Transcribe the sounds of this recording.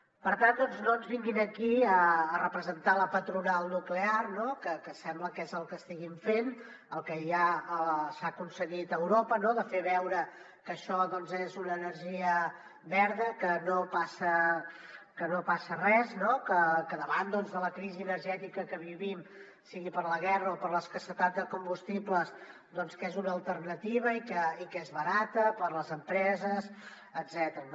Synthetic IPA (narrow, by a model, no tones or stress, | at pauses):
pəɾt̪and̪ɔnznonzβiŋɡinəkiəːrəpɾəzənt̪aləpət̪ɾunalˠnuklearnokəkəsɛmbləkɛzəlˠkəst̪iɣiɱfen | əlˠkəʒaəsakunsəɣit̪əwɾopənoðəfeβɛwɾə | kəʃɔðɔnzezunəːnəɾʒiə | βɛɾðəkənopasə | kənopasərɛznokəkəðəβand̪ɔnzðələkɾiziənəɾʒɛt̪ikəkəβiβim | siɣipəɾləɣ̞ɛrəopəɾləskəsət̪ad̪d̪əkumbust̪ipləz | d̪ɔnskezunəːlˠt̪ərnət̪iβəikəikezβəɾat̪əpəɾləzəmpɾɛzəs | əd̪zɛt̪əɾən